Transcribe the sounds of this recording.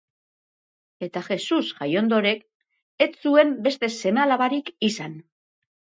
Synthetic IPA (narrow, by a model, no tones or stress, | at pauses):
e̞t̪axe̞susʝajo̞nd̪o̞ɾe̞k | e̞t͡sue̞mbe̞st̪e̞se̞malaβaɾikisan